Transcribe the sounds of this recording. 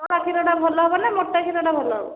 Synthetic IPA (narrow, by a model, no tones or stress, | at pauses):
ɾakʰiɾɔɽabʱɔlɔɦɔbɔnamoʈːakʰiɾɔɽabʱɔlɔɦɔbɔ